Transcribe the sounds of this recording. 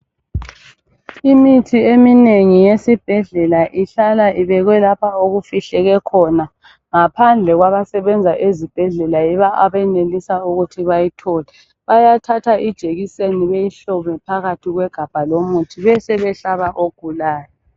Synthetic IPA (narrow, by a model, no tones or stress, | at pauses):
imitʰiemineŋijesib̥ʱɛɮɛlaʔiɬalaʔiβɛɣwɛlapʰaoɣufiɬɛɣɛkʰɔna | ŋapʰand͡ɮʱɛɣwaβasɛβɛnd͡zʱaʔezib̥ʱɛɮɛlaiβaʔaβɛnelisauɣutʰiβajitʰɔːlɛ | βajatʰatʰaʔid̥ʒ̥ʱeɣiseniβejiɬɔmɛpʰaɣatʰiɣwɛɡ̥ʱab̥ʱalomutʰiβɛsɛβɛɬaβaʔoɡ̥ʱulaːjɔ